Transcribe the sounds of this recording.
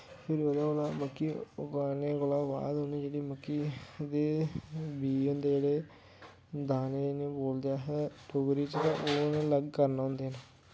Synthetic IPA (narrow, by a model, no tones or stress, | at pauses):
pʰɪɾʋəd̪ãːɡolaːməkːiːɡaːneːɡʊlaːʋa̰ːd̪ɦoniːd͡ʒeːɽiːməkːiːd̪eːbiːʊnd̪eːd͡ʒeːɽeː | d̪aːneːnẽːboːld̪ejaːɦɛːʈ̪ʰʊɡɾiːt͡ʃt̪ãʔoːnẽːləɡkəɾnaːɦʊ̃nd̪eːɦəna